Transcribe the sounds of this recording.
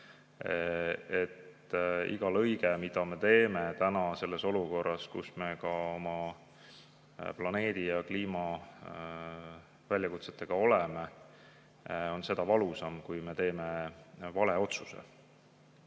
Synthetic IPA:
et̪ | ḭɡ̥ɑlɤ̞jɡe̞mid̪̥ɑme̞t̪e̞ːmet̪ænɑse̞lːe̞so̞luko̞rːɑskṵsme̞kɑo̞mɑ | plɑne̞ːd̪̥ijɑkliːmɑ | vælʲjɑkut̪se̞t̪ːˑe̞ɡ̥ɑo̞leme | o̞nse̞d̪̥ɑvɑlusɑmkujme̞t̪e̞ːme̞vɑle̞o̞t̪suse̞̰

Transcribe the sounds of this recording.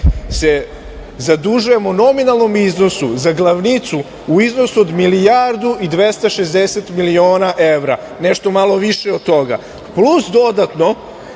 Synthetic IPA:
se | zad̪uʒuje̞mono̞minalˠno̞mizno̞suzaɡlˠaʋnit̪su | uiznosuod̪milijaɾd̪uid̪ʋest̪aʃezd̪eset̪milioːnaʔeʋɾa | neʃt̪o̞malˠo̞ʋiʃeod̪̚t̪ːo̞ɡa̰ | plusd̪o̞d̪at̪no̞

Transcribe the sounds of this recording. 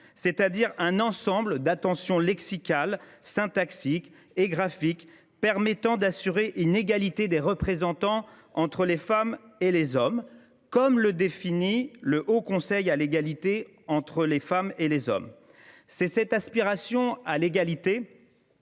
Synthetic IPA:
sɛt̪ad̪iʁɛ̃nɑ̃sɑ̃bləd̪at̪ɑ̃sjɔ̃lɛksikʲalsɛ̃t̪aksik | eɡʁafik | pɛʁmɛt̪ɑ̃d̪asyʁeʔyneɡalit̪ed̪eʁəpχezɑ̃t̪ɑ̃ | ɑ̃t̪χəlefamelezɔm | kɔmləd̪efiniləʔokɔ̃sɛjaleɡalit̪e | ɑ̃t̪χəlefamelezɔ̰m | sɛsɛt̪aspiʁasjɔ̃aleɡalit̪e

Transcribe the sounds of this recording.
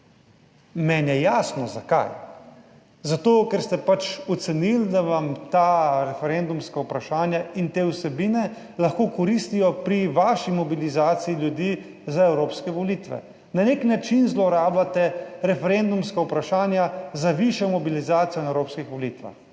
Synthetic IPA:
mɛnjɛjaːsnɔzaka̰j | zat̪oːkɛɾst̪ɛpat͡ʃɔt̪sɛnild̪aʋamt̪aːɾɛfɛɾend̪umskawpɾaʃaːnjaint̪eːwsɛbiːnɛ | laxkoːkɔɾist̪ijɔpɾiʋaːʃimɔbilizaːt̪siiljud̪iː | zaɛwɾoːpskɛʋɔlit̪ʋɛ̰ | naneknat͡ʃinzlɔɾaːblat̪ɛɾɛfɛɾend̪umskaupɾaʃaːnjazaʋiʃjɔmɔbilizaːt̪sijɔnɛwɾoːpskixʋɔliːt̪ʋa̰x

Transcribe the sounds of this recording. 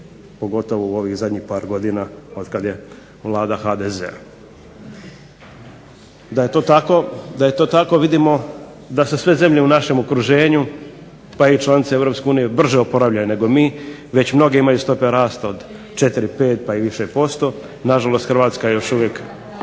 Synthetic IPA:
po̞ɡo̞t̪o̞ʋouo̞ʋixzad̪ɲixpaːɾɡo̞d̪inao̞d̪kad̪je̞ | ʋlˠaːd̪axad̪ezḛa̰ | d̪ajet̪o̞ːt̪ako̞d̪aje̞t̪o̞ːt̪ako̞ʋid̪imo̞ | d̪asesʋe̞ze̞mʎe̞unaʃe̞mokɾuʒe̞ːɲu | pait͡ʃlˠanit̪seevɾo̞pskʲe̞uːnijebr̩ʒeopo̞ɾaʋʎajune̞ɡo̞miːʋe̞t͡ɕmno̞ɡeimajust̪o̞peɾaːst̪aod̪ | t͡ʃe̞t̪iɾipe̞ːt̪̚paiʋiʃepo̞st̪o̞ | naʒalo̞st̪xrɾʋaːt̪skajejo̞ʃuʋjek

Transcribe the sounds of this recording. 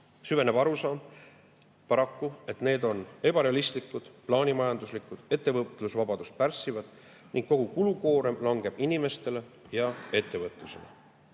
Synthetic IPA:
syve̞ne̞b̥ɑɾusɑːm | pɑɾɑkːue̞t̪ne̞ːd̪̥o̞ne̞b̥ɑɾe̞ɑlist̪likːˑud̪̥plɑːnimɑjɑnd̪̥uslikːˑud̪̥e̞t̪ˑːe̞vɤt̪ːˑlusvɑb̥ɑd̪̥ust̪̚pærsivɑd̪̥ | nʔiŋɡ̥kːo̞ɡ̥ukuluko̞ːɾemlɑŋɡ̥e̞b̥inime̞st̪e̞le | jɑe̞t̪ːe̞vɤt̪ːˑluse̞̰lḛ

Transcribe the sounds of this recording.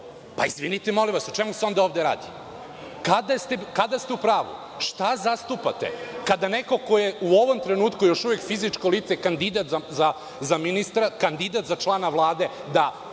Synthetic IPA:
paizʋinit̪emo̞liʋasot͡ʃe̞museo̞nd̪aoʋd̪eɾa̰ːd̪i | kad̪ast̪ekad̪ast̪eupɾaːʋṵ | ʃt̪azast̪upa̰t̪ḛkad̪ane̞ko̞ko̞jeuo̞ʋo̞mt̪ɾenuːt̪kujo̞ʃuʋjekfizit͡ʃkoliːt̪sekand̪id̪at̪zaza | zaminist̪ɾakand̪id̪at̪zat͡ʃlˠaːnaʋlˠaːd̪e̞ | d̪a

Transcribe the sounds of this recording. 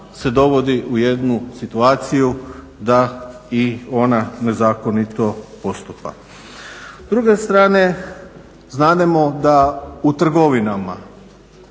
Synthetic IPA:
se̞d̪o̞ʋo̞d̪iʔuje̞d̪nusit̪uaːt̪siju | d̪a | io̞nane̞zaːkonit̪o̞po̞st̪upa̰ | zd̪ɾuɡe̞st̪ɾaːne̞ | znaːd̪emod̪aut̪r̩ɡo̞ʋinama

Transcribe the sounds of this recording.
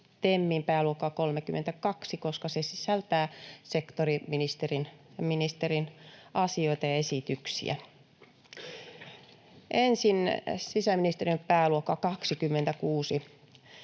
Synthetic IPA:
t̪emːiːmpæːluokːɑkolmekymːḛnt̪ækɑksikoskɑsesisælt̪æːsekt̪oriminist̪erinminist̪erinʔɑsioit̪ɑjɑesit̪yksḭæ̰ | ʔensinsisæminist̪erimpæːluokːɑkɑksikymːent̪ækuːsi

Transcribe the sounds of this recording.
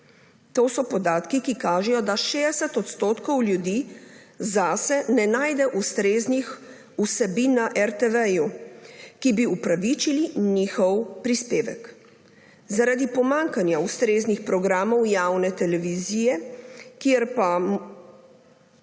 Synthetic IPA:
t̪oːsɔpɔd̪aːt̪kikikaːʒɛjɔd̪aʃeːd̪ɛsɛt̪ɔt̪st̪oːt̪kɔwlʲjud̪iː | zasɛnɛnaːjd̪ɛʔust̪ɾeːznix | usɛbinːaʔɛɾt̪ɛʋɛju | kibiupɾaʋit͡ʃiliniːxɔwpɾispeːʋɛk | zaɾad̪ipɔmaŋkanjaust̪ɾeːznixpɾɔɡɾaːmɔwjaːwnɛt̪ɛlɛʋiziːjɛkjeɾpa

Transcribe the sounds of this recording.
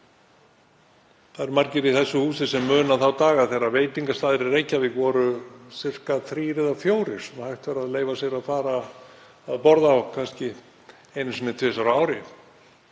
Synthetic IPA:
θaðɛɾmaɾcɪɾiθɛsːʏhuːsɪsɛmːœːnaθawt̪aːɣaðθejɾaveːjt̪iŋkast̪aːðɪɾɪrejcːavɪɣvɔɾʏsɪr̥kaθɾiːɾɪɛðafjoːwɾɪɾ̥sɛmhajht̪vaɾaðleːjvasɛɣɾaðfaːɾaː | ðpɔɾðaɔkʰanscɪ | ejnɪsinɪt̪ʰvɪːsaɾaːwɾɪ

